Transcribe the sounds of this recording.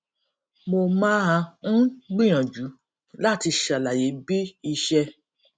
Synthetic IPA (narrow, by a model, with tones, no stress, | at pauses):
mo˧mãː˦a˧n̩˦ɡ͡bĩ˦˨j̃ã˨d͡ʒu˨˦ | la˦˨ti˧ʃa˨la˨je˨˦bi˦i˧ʃɛ˧